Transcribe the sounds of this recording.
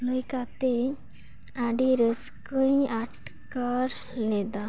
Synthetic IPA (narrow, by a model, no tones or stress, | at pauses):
ləjkat̪ɛ | aɖiɾəskəjaʈ | kaɾ | lɛd̪a